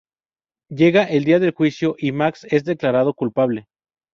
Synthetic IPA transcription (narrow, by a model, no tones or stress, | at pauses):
ɟ͡ʝe̞ɣaʔe̞ld̪iaðe̞lxwisjo̞ʔimakse̞zðe̞klaɾað̞o̞kulpaβle̞